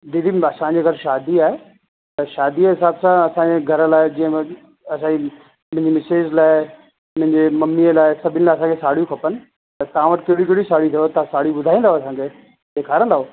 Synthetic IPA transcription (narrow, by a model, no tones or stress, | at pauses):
d̪id̪ʱiɐsãd͡ʑeɡʱɐɾʃaːd̪iaːɦe | t̪ɐʃaːd̪iɦɪsaːbsãɐsãːɲd͡ʑeɡʱɐɾlaːɪd͡ʑĩːə̃ | ɐsãi | mʊ̃ɦɪ̃ɲd͡ʑimɪseːd͡ʑlaːɪ | mʊ̃ɦɪɲd͡ʑemɐmːiəlaːɪsɐbʱɪnɪ̆laːɪɐsãːkʰesaːɽ̤ijũkʰɐpənɪ̆ | t̪ɐt̪ɐãʋɐʈɪkɐɦɽik̬eɦɽisaːɽit̪ʰijot̪ɐãsaːɽijuɓʊd̪ʱaːĩːnd̪aɦoɐsãːŋkʰe | deːkʰaːɾə̃nd̪aːɦoː